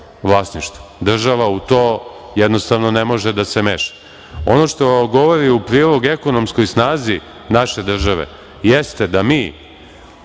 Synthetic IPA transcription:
ʋlˠaːsniʃt̪o̥d̪r̩ʒaʋaut̪oː | jed̪nost̪aʋno̞nemo̞ʒed̪ase̞mḛʃḁ | o̞no̞ʃt̪o̞ɡo̞ʋoɾiupɾiːlˠo̞ɡe̞ko̞no̞msko̞jsnaːzi | naʃe̞d̪r̩ʒaʋḛ | jest̪e̞d̪amiː

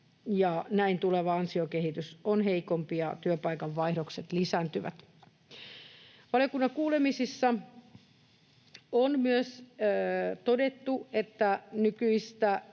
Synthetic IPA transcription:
jɑnæint̪uleʋɑɑnsiokehit̪ysonɦeikompiɑt̪yøpɑikɑʋʋɑihdokset̪lisænt̪yʋæ̰t̪ | ʋɑlijokunːɑŋkuːlemisisːɑ | onmyøs | t̪odet̪ːuet̪ːænykyist̪æ

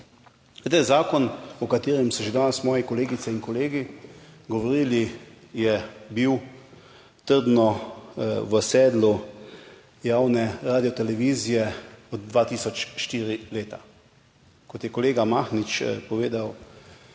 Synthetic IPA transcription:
t̪ajzaːkɔnɔkat̪eːɾɛmsɔʒed̪aːnɛsmɔːjɛkɔleːɡit̪sɛinkɔleːɡiɡɔʋɔɾiːli | jɛbiw | t̪əɾd̪nɔ | ʋəsɛːd̪lu | jaːwnɛɾaːd̪iɔt̪ɛlɛʋiːzijɛɔd̪̚d̪ʋaːt̪iːsɔt͡ʃʃt̪iːɾileːt̪a | kɔt̪jɛkɔleːɡamaːxnit͡ʃpɔʋeːd̪aw

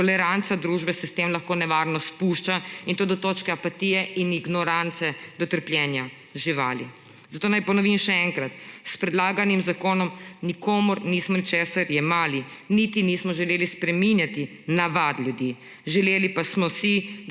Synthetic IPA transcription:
t̪ɔlɛɾant̪sad̪ɾuʒbɛsɛst̪emlɐxkoːnɛʋaɾnɔspuʃt͡ʃaint̪oːd̪ɔt̪oːt͡ʃkɛapat̪iːjɛiniɡnɔɾant̪sɛd̪̥ɔt̪əɾplʲjɛːnja | ʒiʋaːlḭ | zat̪oːnajpɔnɔʋimʃɛɛŋkɾat̪spɾɛd̪laːɡanimzakoːnɔmnikoːmuɾniːsmɔnit͡ʃeːsaɾjɛmaːlinit̪iniːsmɔʒɛleːlispɾɛminjat̪i | naʋad̪lʲjud̪ji | ʒɛleːlipasmɔsi

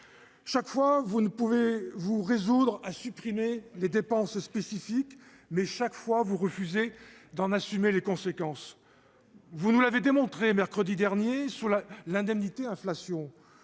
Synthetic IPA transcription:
ʃakfwavunəpuvevuʁezud̪ʁasypχimeled̪epɑ̃sspesifik | mɛʃakfwavuʁəfyzed̪ɑ̃nasymelekɔ̃sekɑ̃s | vunulaved̪emɔ̃t̪χemɛʁkχəd̪id̪ɛʁnjesulalɛ̃d̪ɛmnit̪eɛ̃flasjɔ̃

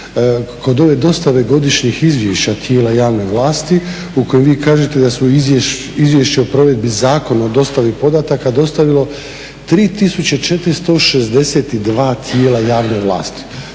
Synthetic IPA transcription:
ko̞d̪o̞ʋe̞d̪o̞st̪aʋe̞ɡo̞d̪iʃɲixizʋjeʃat̪je̞ːlajaːʋne̞ʋlˠaːst̪i | uko̞jemʋiːkaːʒe̞t̪e̞d̪asuizje | izʋjeʃt͡ɕeopɾo̞ʋe̞d̪bizaːko̞naod̪o̞st̪aʋipo̞d̪at̪akad̪o̞st̪aʋilo̞ | t̪ɾiːt̪isut͡ɕet͡ʃe̞t̪ɾist̪o̞ʃezd̪e̞set̪id̪ʋaːt̪ʰjeːlajaːʋneʋlˠa̰ːst̪i̥

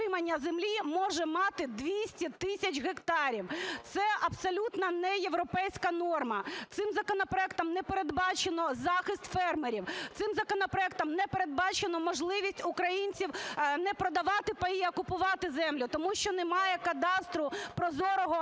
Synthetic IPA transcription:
ɪmɐnʲːɐzemlʲimɔʒɛmɑt̪ɪd̪ʋʲisʲtʲit̪ɪsʲɐt͡ʃʲɦekt̪ɑɾʲiwt̪sɛʔɐbsɔlʲut̪nɐnɛjeʋɾɔpɛjsʲkɐnɔrmɐt̪sɪmzɐkɔnɔpɾɔɛkt̪ɐmnɛpeɾed̪bɑt͡ʃenɔzɑxɪst̪fɛrmeɾʲiwt̪sɪmzɐkɔnɔpɾɔɛk̚t̪ɐmnɛpeɾed̪̚bɑt͡ʃenɔmɔʒlˠɪʋʲisʲtʲʊkɾɐjinʲt͡sʲiwnɛpɾɔd̪ɐʋɑt̪ɪpɐiɔkʊpʊʋɑt̪ɪzɛmlʲʊt̪ɔmuʃt͡ʃɔnɛmɑjɛkɐd̪ɑst̪ɾʊpɾɔzɔɾɔɦɔ

